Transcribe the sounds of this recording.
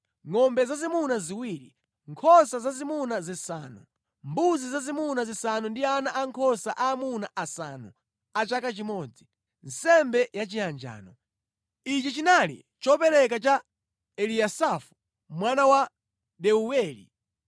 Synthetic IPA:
ŋɔmbɛzazimunaziwiːɾi | ŋkʰɔsazazimunazisaːnṵ | mbuzizazimunazisanundianaʔaŋkʰɔsaʔaːmunaʔasa̰nṵ | at͡ʃakat͡ʃimɔd͡zi | n̩sɛmbɛjat͡ʃiand͡ʒa̰ːnɔ | it͡ʃit͡ʃinalḭ | t͡ʃɔpɛɾɛk̬at͡ʃa | ɛliasafu̥ | mwanawa | ɗɛuwɛːlḭ

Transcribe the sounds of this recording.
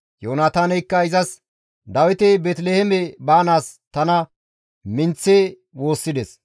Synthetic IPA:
joːnaːt̪aːnɛjkːɐɪzɐs | d̪ɐwɪt̪ebeːt̪lehɛmɛbaːnaːst̪ɐnɐ | mɪnt͡sːeː | wo̞ːsːɪd̪ɛs

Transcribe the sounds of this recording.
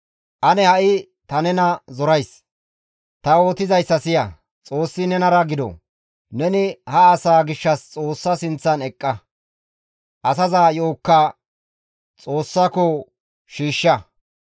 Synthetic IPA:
ʔɐnɛhɐʔɪ | t̪ɐnɛnɐzɔɾɐjs | t̪ɐoːt̪ɪzɐjsːɐsɪjɐ | t͡sʼo̞ːsːɪnɛnɐɾɐɡɪd̪ɔ̰ | nɛnɪhɐːsaːɡɪʃːɐst͡sʼo̞ːsːɐsɪnt͡sːɐnɛkʼːɐ | ʔɐsɐzaːjo̞ːkːa | t͡sʼo̞ːsːakɔ | ʃiːʃːɐ

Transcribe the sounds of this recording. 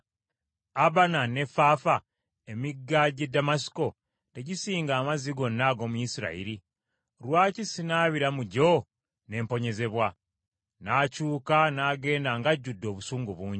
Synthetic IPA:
aβanane̞faːfa | e̞miɡːaɟe̞dːamasi̥ko̞ | te̞ɟisiːŋɡaːmaziɡo̞nːaɡo̞ːmujisiɾa̰ḭɾi | ɾwaːcisinaːβiɾamuɟo̞ | ne̞ːmpo̞ɲe̞ze̞βwa | naːcuːkanaːɡe̞ːndaŋɡaɟːudːo̞ːβusuːŋɡuβuːɲɟi

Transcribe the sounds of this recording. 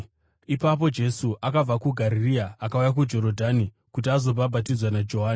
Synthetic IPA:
ipap̬o̞d͡ʒe̞suʔakab͡vakuɡʱaɾiriaːkaujak̬ud͡ʒo̞ɾo̞dʱani | kut̬iazo̞babʱatid͡zwanad͡ʒo̞ɦaːni

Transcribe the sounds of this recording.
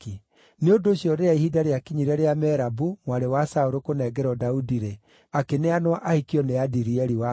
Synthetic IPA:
i | neondoːɕjɔɾeaihidaɾeakiɲiɾɛɾeamɛɾabumwaɾewasaoɾokonɛːɡɛɾɔdaudiɾe | akeneanwaʔahikiɔneadiɾiɛɾiwa

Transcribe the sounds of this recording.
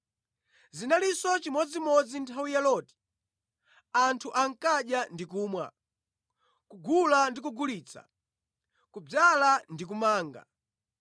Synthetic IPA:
zinalisɔt͡ʃimɔd͡zimɔd͡zintʰawijalɔti̥ | antʰuʔaŋ̩kaɗjandik̬uːmwa̰ | kuɡulandik̬uɡuliːt͡sʰa̰ | kub͡ʐalandik̬umaːŋɡa̰

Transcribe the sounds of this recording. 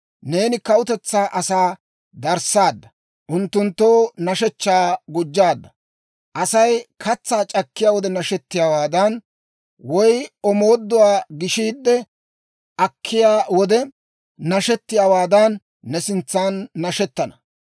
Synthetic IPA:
ne̞ːnɪkɐʊt̪ɛt͡sːaːʔɐsaː | d̪ɐɾsaːd̪ːɐ | ʔʊnt̪ːʊnt̪ːoːnɐʃɛt͡ʃːaːɡʊd͡ʒːaːd̪ːɐ | ʔɐsɐjkʰɐt͡sːaːt͡ʃʼɐkːɪjaːwɔd̪ɛnɐʃɛt̪ːɪjaːwaːd̪ɐn | wɔjɔmo̞ːd̪ːʊwaːɡɪʃiːd̪ːɛ | ʔɐkʰːɪjaːwɔd̪ɛ | nɐʃɛt̪ːɪjaːwaːd̪ɐnː | ɛsɪnt͡sːaːnːɐʃɛt̪ːɐnɐ

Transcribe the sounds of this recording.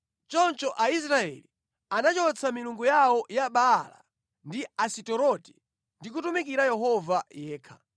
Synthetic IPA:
t͡ʃɔnt͡ʃɔʔais̬ɾaɛ̰li | anat͡ʃɔt͡sʰamiluŋɡujawɔjaɓaːla̰ | ndiasitɔɾɔtɛ̥ | ndik̬utumik̬iɾajɛɦɔvajɛːkʰḁ

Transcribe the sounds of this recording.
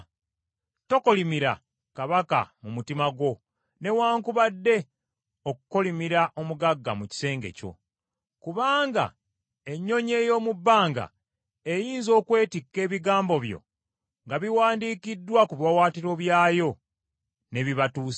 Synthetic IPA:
to̞ko̞limiɾa̰ | kaβaka̰mumutimaɡo̞ | ne̞waːŋkuβadːe̞ | okuko̞limiɾaʔo̞muɡaɡːa̰muci̥se̞ːŋɡe̞̰co̞̰ | kuβaːŋɡa̰ | e̞ɲːo̞ɲe̞ːjo̞ːmubːaːŋɡa̰ | ejiːnzo̞ːkwe̞ːtikːe̞ːβiɡaːmbo̞βjo̰ | ŋɡaβiwaːndiːkidːwakuβjawaːtiɾo̞βjaːjo̞ | ne̞βiβatuːs

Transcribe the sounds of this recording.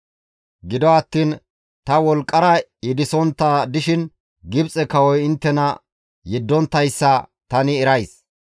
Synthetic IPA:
ɡɪd̪ɔɐt̪ːiːn | t̪ɐwɔlkʼːɐɾɐɪd̪ɪsɔnt̪ːɐd̪ɪʃɪn | ɡɪbt͡sʼɛkɐwɔjɪnt̪ːɛnɐ | jɛd̪ːɔnt̪ːɐjsːɐt̪ɐnɪɛɾɐjs

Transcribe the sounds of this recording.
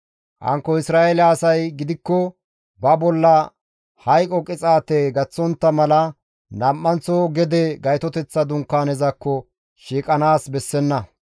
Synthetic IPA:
hɐ̰ŋkːɔɪsɾaːʔelaːsɐjɡɪd̪ɪkːɔ | bɐbɔlːɐ | hɐjkʼɔkʼɪt͡sʼaːt̪ɛɡɐt͡sːɔnt̪ːɐmɐlɐ | nɐmːɐnt͡sɔɡɛd̪ɛɡɐjt̪ɔt̪ɛt͡sːɐd̪ʊŋkːaːnɛzɐkːɔ | ʃiːkʼɐnaːsbɛsːɛnːɐ

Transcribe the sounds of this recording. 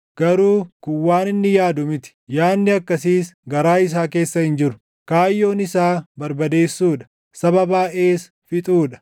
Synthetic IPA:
ɡ̥ɐɾuːkʊwːaːnɪnːɪjaːd̪ʊmɪt̪ɪ̥jaːnːɪɐkːɐsiːsɡɐɾaːɪs̬aːke̞ːsːɐhɪnd͡ʒɪɾʊ̥ | kaːjːo̞ːnɪsaːbɐɾbɐd̪e̞ːsːuːᶑɐ̥ | sɐbɐbaːʔe̞ːs | fɪt̪ʼuːᶑɐ̥

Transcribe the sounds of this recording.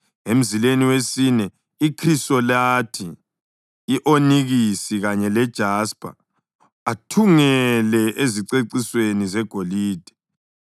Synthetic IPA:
em̩zileniwesinɛ | ikʰrisɔlatʰiː | ʔoniɣisiɣaɲɛlɛd̥ʒ̥ʱaspʰʼa̰ | atʰuŋɛlɛʔeziǀeǀiswenizɛɡ̥ʱoliːd̥ʱɛ̥

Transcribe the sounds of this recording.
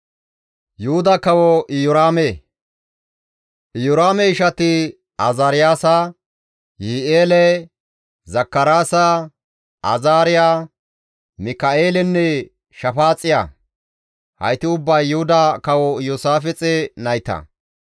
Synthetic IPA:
jʊhʊd̪ɐkɐwɔʔɪjɔɾaːmeː | ʔɪjɔɾaːmɛɪʃɐt̪ɪ | ɐzɐɾɪjaːsɐ | jɪʔeːlɛ | zɐkːɐɾaːsa | ʔɐ̰zaːɾɪjaː | mɪkɐeːlɛnːɛ | ʃɐfaːt͡sʼːɪja̰ | hɐ̰jt̪ɪʊbːɐjːʊhʊd̪ɐkɐwɔjosaːfɛt͡sʼɛnɐjt̪ɐ̰

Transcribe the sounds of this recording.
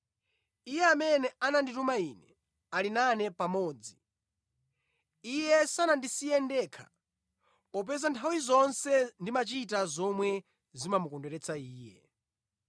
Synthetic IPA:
ijɛamɛnɛʔananditumainɛ | alinanɛpamɔːd͡zi | ijɛsanandisijɛndɛkʰḁ̰ | ɔp̬ɛzantʰawizɔnsɛndimat͡ʃitazɔmwɛ | zimamukɔndɛɾɛt͡saiːjɛ

